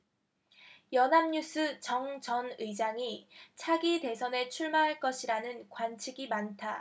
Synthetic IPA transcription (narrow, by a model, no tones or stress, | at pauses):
jʌnɦamɲus͈ʰɯt͡ɕʌŋt͡ɕʌnɯid͡ʑaŋit͡ɕʰaɡite̞sʰʌne̞t͡ɕʰuɭmaɦaɭk͈ʌɕʰiɾanɯnkwant͡ɕʰiɡimantʰa